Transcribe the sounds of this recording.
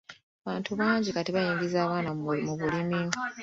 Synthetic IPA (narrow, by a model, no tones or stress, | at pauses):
aβaːntʰuβaːɲɟikatiβajiːɲɟizaːβaːnamuβulimi